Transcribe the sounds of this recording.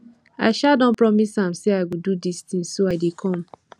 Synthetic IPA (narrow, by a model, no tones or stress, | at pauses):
a̰ʃadɔ̃n̩pɹɔmisãm̩seaɪɡududist̪ĩŋsoaɪdikʰɔ̃m̩